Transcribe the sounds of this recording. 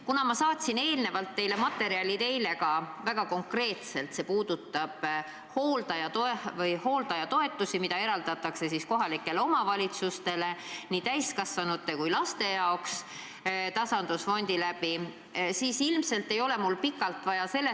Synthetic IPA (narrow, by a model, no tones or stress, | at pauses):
kunɑmɑsɑːt̪ʲsine̞ːlne̞vɑlt̪ːe̞jle̞mɑt̪ːˑe̞ɾiɑlʲit̪e̞jle̞ɡɑvæɡ̥ɑko̞ŋkre̞ːt̪se̞lt̪se̞puːd̪̥ut̪ːˑɑb̥ | ho̞ːld̪ɑjɑt̪oevɤjho̞ːld̪̥ɑjɑt̪o̞e̞t̪ːˑusimid̪ɑe̞ɾɑld̪ɑt̪ːˑɑkse̞sisko̞ɦɑlikːˑe̞leo̞mɑvɑlʲit̪sust̪e̞le̞niːt̪æjskɑsvɑnut̪ːˑe̞kujlɑst̪e̞jɑoks | t̪ɑsɑnd̪̥usfo̞nʲd̪̥ilæpi | siːsilmse̞lt̪ːe̞jo̞lemulːpikːˑɑlt̪vɑjɑse̞lːe